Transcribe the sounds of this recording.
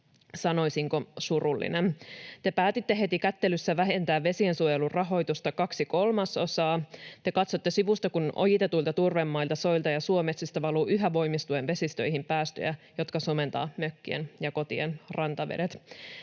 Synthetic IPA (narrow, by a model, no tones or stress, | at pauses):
sɑno̞jsiŋko̞surulːḭnent̪e̞pæːt̪it̪ːe̞ɦe̞t̪ikæt̪ːe̞lysːæʋæɦent̪æːʋʋe̞siensuojelurɑɦo̞jt̪ust̪ɑkɑksiko̞lmɑso̞sɑːt̪e̞kɑt̪so̞t̪ːesiʋust̪ɑkunʔo̞̰jit̪et̪uilt̪ɑt̪urʋemːɑilt̪ɑso̞ilt̪ɑjɑsuo̞mesist̪ɑʋɑluːʔyɦæʋo̞imist̪uenʋe̞sist̪ø̰jɦimpæːst̪ø̰jæjo̞t̪kɑsome̞nt̪ɑ̰ːmøkːiḛnjɑko̞t̪ienrɑnt̪ɑʋḛɾet̪